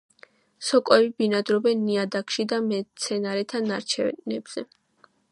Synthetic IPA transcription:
sɔkʼwɛbibinad̪ɾɔbɛnːiad̪akʰʃid̪amɛt̪sʰɛnaɾɛt̪ʰanaɾt͡ʃʰɛ̰nɛ̰bz̥ɛ

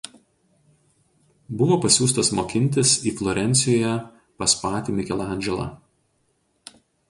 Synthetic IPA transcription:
bʊʋoːpɐsʲuːst̪ɐsmoːkʲɪnʲt̪ʲɪsiːflˠɔːɾʲɛnʲt̪sʲɪjoːjɛ | pɐspɑːt̪ʲɪmʲɪkʲɛlˠɐæˑnʲd͡ʒʲɛlˠɑ̰

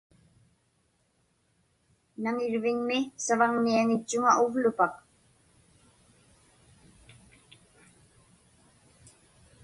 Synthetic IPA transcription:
naŋɪɻvɪɲmɪsavaŋniaŋɪt͡ʃːʊŋaʊvlʊpak

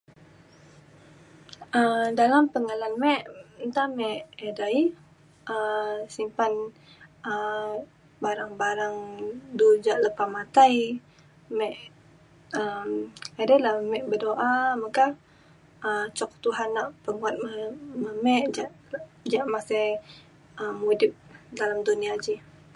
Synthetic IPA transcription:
ʔədalampəŋalanmɛʔint̪amɛʔedaj | ʔəsimpan | ə | baɾaŋbaɾaŋdud͡ʒaʔləpamat̪aj | mɛʔ | əmedajlaməmɛʔbədoʔamaka | ət͡ʃɔkt̪uɦanːaʔpəmuat̪̚əməmɛʔd͡ʒaʔ | d͡ʒaʔmasɛ | əːudɪp̚dalamduniad͡ʒi

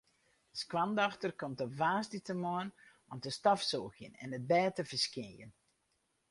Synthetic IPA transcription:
skwandɔxtərkɔmtəvaːstitəmɔən | ɔmtəstɔfsoːɣjə̰nɛ̰nət̚bɛːtəvərskɪjə̰n

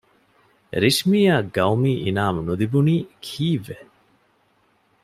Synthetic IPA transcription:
ɾiʂmiːaːɡɐwmiːʔinaːmunud̪ibuniːkʰiːʋe

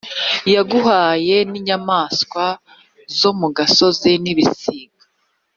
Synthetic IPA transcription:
jaɡuhaːje̞niɲamaːskwa | zo̞muɡaso̞ziniβisiːɡa

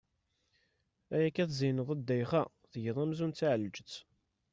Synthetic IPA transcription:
æjækːæθzijnəðˤæd̪ːæjχæ | θəʝəðˤæmzunt͡sːaʕəlːəd͡ʒət͡sː

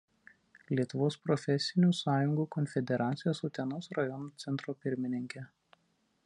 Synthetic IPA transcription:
lʲiɛt̪ʊʋoːspɾɔfʲɛsʲɪnʲuːsɑːjʊŋɡuːkɔnʲfʲɛd̪ʲɛɾɑːt̪sʲɪjoːsʊt̪ʲɛnoːsɾɐjɔnoːt̪sʲɛnt̪ɾoːpʲɪɾʲmʲɪnʲɪŋʲkʲɛ

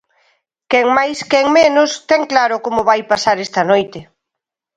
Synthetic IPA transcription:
kɛŋmajskɛŋmenʊst̪ɛŋklaɾʊkomʊβajpasaɾɛst̪ɐanojt̪ɪ

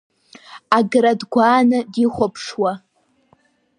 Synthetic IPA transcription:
aɡɾadɡʷaːnɨdiχʷopʰʂwa

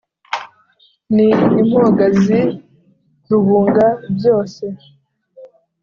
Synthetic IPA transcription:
niːm̥hoɡazi | zuβuːŋɡabjo̞ːse̞

